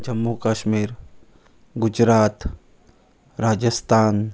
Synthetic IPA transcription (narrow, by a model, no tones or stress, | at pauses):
d͡ʒɐmːukaːʃmiːɾ | ɡʊd͡ʒɾaːt̪ | ɾaːd͡ʒəst̪ʰaːn